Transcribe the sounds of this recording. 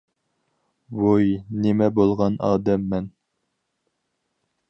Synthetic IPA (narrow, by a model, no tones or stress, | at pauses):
bojnimɛbolˠʁɑnɑ̰ːd̪ɛmːɛn